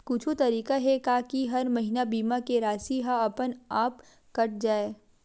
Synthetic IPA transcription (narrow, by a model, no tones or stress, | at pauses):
kʊt͡ʃʰot̪ɐɾiːkaɦɛkaːkiɦɐɾmɐɦinabiːmakeɾaːsiɦaɐpənaːp | kɐʈ̚d͡ʒaːeː